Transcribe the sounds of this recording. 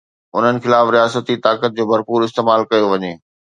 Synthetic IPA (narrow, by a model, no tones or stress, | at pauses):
ʊn̤ənɪ̆xɪlaːfɾijaːsət̪it̪aːkət̪̚d͡ʑoːbɐɾpuːɾɪst̪eːmaːlkɐjoʋɐɲeː